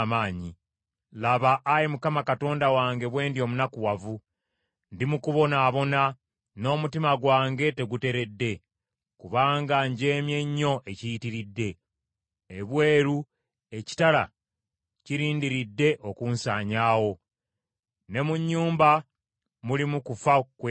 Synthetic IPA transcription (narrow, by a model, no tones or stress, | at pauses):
maːɲi | laβaʔːjimukamakato̞ːndawaːŋɡe̞βwe̞ːndio̞munakuwavu | ndimukuβo̞naːβo̞na | no̞ːmutimaɡwaːŋɡe̞te̞ɡute̞ɾe̞dːe̞ | kuβaːŋɡaɲɟe̞ːmje̞ɲːo̞ʔe̞cijitiɾidːe̞ː | βwe̞ːɾu | e̞ci̥tala̰ | ciɾiːndiɾidːe̞ʔo̞kunsaːɲaːwo̞ | ne̞muɲːuːmba | mulimukufak